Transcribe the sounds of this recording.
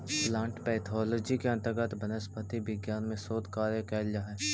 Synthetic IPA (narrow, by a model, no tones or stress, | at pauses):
plãːɳʈpɛːt̪ʰɔːlɔːd͡ʒikeɐ̃nt̪əɾɡət̪bɐnəspʰət̪ibɪɡjaːnmẽsoːd̪kaːɾjəkɛːljaɦɛː